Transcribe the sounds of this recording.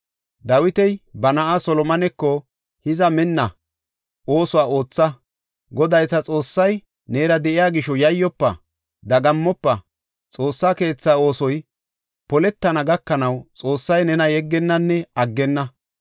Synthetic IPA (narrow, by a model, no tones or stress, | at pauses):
d̪ɐwɪt̪ɛjbɐnɐʔasɔlɔmɐnɛkːɔ | hɪzɐmɛnːɐ | o̞ːsʊwaːo̞ːt͡sːɐ | ɡɔd̪ɐjsɐt͡sʼo̞ːsːɐj | ne̞ːɾɐd̪ɛʔɪjaːɡɪʃɔjɐjːɔpːɐ̰ | d̪ɐɡɐmːɔpːɐ | t͡sʼo̞ːsːaːke̞ːt͡sːaːo̞ːsɔj | pɔlɛt̪ːɐnɐɡɐkːɐnɐwt͡sʼo̞ːsːɐjnɛnɐjɛɡːɛnːɐnːɛɐɡːɛnːɐ